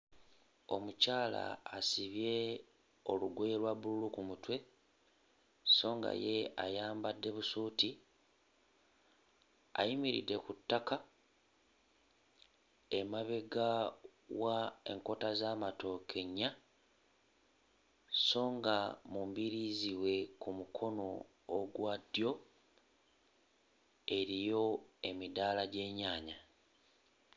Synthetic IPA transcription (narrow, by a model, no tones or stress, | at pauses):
o̞mucaːla̰ːsiβje̞ | o̞luɡwelwaβululukumutwe̞ | so̞ːŋɡa̰je̞a̰jaːmbadːe̞βusuːti | a̰jimiɾḭdːe̞kutːaka | e̞maβe̞ɡawaḛŋko̞tazaːmato̞ːkʰe̞ɲːa | so̞ːŋɡamumbiɾiziwe̞kumukʰo̞no̞ː | ɡwadjo̞ | e̞ɾijo̞e̞midaːlaɟe̞ːɲaːɲa